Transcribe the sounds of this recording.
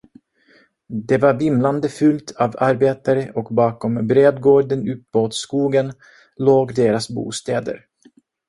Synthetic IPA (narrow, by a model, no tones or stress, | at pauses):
d̪ɛvaɾvɪmland̪əfɵlt̪ʰaːvaɾbeːt̪aɾəʔɔkbɑːkɔmbɾeːd̪ɡoːɖənʉ̟pmuːt̪skuːɡən | loːɡd̪eːɾasbṵːst̪eːd̪ə̰ɾ